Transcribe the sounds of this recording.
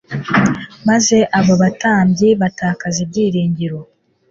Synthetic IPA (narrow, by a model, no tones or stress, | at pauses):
maze̞ʔaβoβataːmbɟiβatʰaːkazibɟiːɾiːɲɟiɾo̞